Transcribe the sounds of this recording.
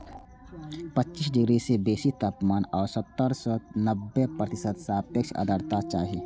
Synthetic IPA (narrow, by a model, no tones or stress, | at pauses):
pət͡ʃːt͡ʃisɖɪɡɾisebeːsit̪ʰəpmaːnɔːɾsət̪ːəɾsɔnəbːepɾət̪ɪsəd̪saːpjəkʃʰə̰d̪ʱəɾt̪at͡ʃaːɦi